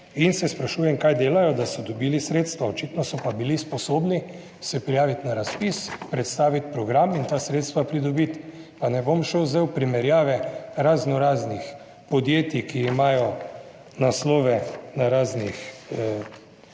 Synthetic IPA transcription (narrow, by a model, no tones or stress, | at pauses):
insɛspɾaʃuːjɛmkaːjd̪eːlajɔd̪asɔd̪ɔbiːlisɾeːt̪st̪ʋaɔt͡ʃit̪nɔsɔpabilispɔsoːbni | sɛpɾijaːʋit̪naɾaspispɾɛt̪st̪aːʋit̪̚pɾɔɡɾamint̪aːsɾeːt̪st̪ʋapɾid̪ɔbit̪panɛbomʃɛwzɛwpɾimɛɾjaːʋɛɾaznɔɾaːznix | pɔd̪jeːt̪ikiːmaːjɔ | naslɔːʋɛnaɾaːznix